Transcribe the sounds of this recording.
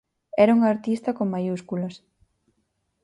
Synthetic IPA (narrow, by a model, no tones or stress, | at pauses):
ɛɾɐuŋaɾt̪ist̪ɐkoŋmajuskulɐs